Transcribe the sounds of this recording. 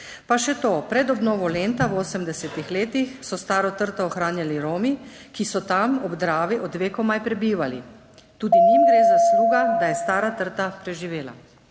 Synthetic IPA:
paʃɛt̪oːpɾɛd̪ɔbnɔːʋɔleːnt̪awoːsəmd̪ɛsɛt̪ixleːt̪ixsɔst̪aːɾɔt̪əɾt̪ɔːxɾaːnjaliɾoːmikisɔt̪amɔbd̪ɾaːʋiʔɔd̪ʋeːkɔmajpɾɛbiːʋalḭ | t̪uːd̪inimɡɾeːzasluːɡad̪ajɛst̪aːɾat̪əɾt̪apɾɛʒiʋeːla̰

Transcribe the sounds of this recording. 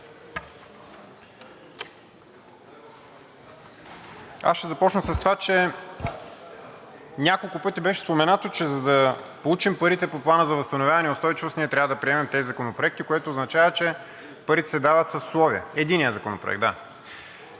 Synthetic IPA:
a̰sʃɛzɐpɔt͡ʃnəsɐst̪ovat͡ʃɛ | nʲakolˠkʊpɤt̪ibɛʃɛ̥spomɛnat̪ot͡ʃɛzɐd̪ɐpolˠut͡ʃimpəɾit̪ɛpoplˠanəzɐvɐst̪ɐnovʲjavɐnɛjʊst̪ɔjt͡ʃivosniɛt̪ɾʲavəd̪ɐpɾiɛmɛmt̪ɛzizɐkonopɾoɛk̚t̪ikoɛt̪oːznɐt͡ʃavət͡ʃɛ | pəɾit̪ɛ̥sɛd̪avət̪sɐsslˠɔviə̰ɛd̪inijəzɐkonopɾo̰ɛ̰ɡ̪̚d̪a̰

